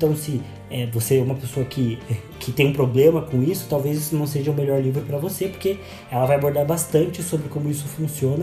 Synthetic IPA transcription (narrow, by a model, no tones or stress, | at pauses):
t̪ɐ̃w̃sɪ | ɛvoseɛũmɐpesoɐkɪɛ | kʰɪt̪ẽj̃ũpɾoblẽmɐkõisʊ̥t̪awvezisnɐ̃w̃seʒɐũmeʎɔɾlivɾʊpɾɐvosepoɾke | ɛlɐvajaboɾd̪aɾbast̪ɐ̃nt͡ʃɪsobɾɪkõmʊisʊfũsiõnɐ